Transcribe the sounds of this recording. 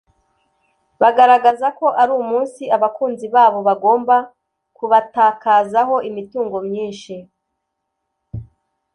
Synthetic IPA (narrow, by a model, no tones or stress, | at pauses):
βaɡaɾaɡazako̞ʔaɾuːumuːnsiaβakuːnziβaːβo̞βaɡo̞ːmba | kuβataːkaːzaɦo̞ʔimituːŋɡo̞mɲiːnʃi